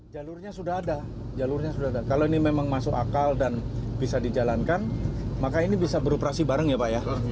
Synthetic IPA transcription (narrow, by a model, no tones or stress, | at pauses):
d͡ʒalʊrɲasudaɦada | d͡ʒalʊrɲasudaɦadakaloinimemaŋmasʊka̰kaldanb̥isadid͡ʒalankanmakainibisabəɾopəɾasibaɾəŋjapaʔja